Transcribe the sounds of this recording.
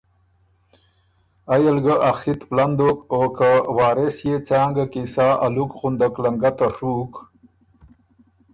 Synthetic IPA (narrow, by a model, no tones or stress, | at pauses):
ajəlɡəʔaxit̪pland̪okokawɑːɾesjet͡sɑːŋɡakisaːʔa̰lukɣund̪əklaŋɡat̪aʂuk